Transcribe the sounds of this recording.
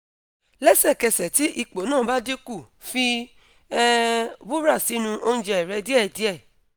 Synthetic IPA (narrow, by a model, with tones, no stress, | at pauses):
lɛ˦sɛ˦˨kɛ˧sɛ˨ti˦ʔi˧k͡po˨˦nãː˦˨ba˦de˦ku˦˨ | fi˧ | ɛ˦bu˦ɾa˦˨si˨˦nũ˧ʔo˧ñ̩˦d͡ʒɛ˧ɛ˨ɾɛ˧˦di˦ɛ˦˨di˨˦ɛ˦˨